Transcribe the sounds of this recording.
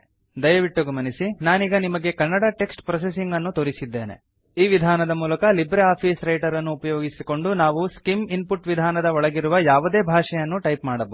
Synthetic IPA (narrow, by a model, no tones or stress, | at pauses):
d̪ɐjɐʋiʈːuɡɐmɐnisinaːniːɡɐnimɐɡe̞kɐnːɐɽaːʈe̞ksʈpɾɐs̬esiŋɡɐnːut̪oːɾisid̪ːe̞ːne̞̰ | iːʋid̪ʱaːnɐd̪ɐmuːlɐkɐlibɾeaːpʰiːsɾɐjʈɐɾɐnːuːpɐjoːɡisiko̞ɳɖunaːʋuskiminpuʈʋid̪ʱaːnɐd̪ɐɔɭɐɡiɾuʋɐjaːʋud̪e̞ːbʱaːʂɛjɐnːuʈɐjpmaːɽɐbɐ